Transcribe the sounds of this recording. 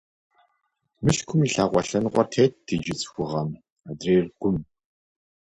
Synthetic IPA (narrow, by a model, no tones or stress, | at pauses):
mɨɬkʷʰʊmiɬaːqʷɔɬɐnʁʷɔrtʰeːt̚ːʰed͡ʒɪt͡sʼxʷʊʁɐm | adreːrɡʷʊm